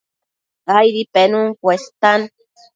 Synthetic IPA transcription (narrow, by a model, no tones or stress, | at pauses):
ajɾipenuŋkʷest̪an